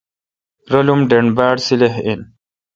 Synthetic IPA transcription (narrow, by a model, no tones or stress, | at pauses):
ɾɐlumɖeɳbaːɽsileɦin